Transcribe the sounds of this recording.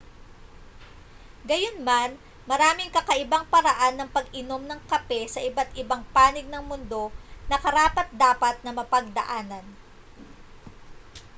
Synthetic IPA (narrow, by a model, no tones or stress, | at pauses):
ɡɐjonman | mɐɾaːmɪŋkɐkɐʔɪbaŋpɐɾɐʔanːɐŋpɐɡɪno̞mnɐŋkɐpɛsɐʔɪbat̪ʔɪbaŋpaːnɪɡ̚nɐŋmʊnd̪o̞nɐkɐɾaːpɐt̪̚d̪aːpɐt̪̚nɐmɐpɐɡ̚d̪ɐ̰ʔaːnɐn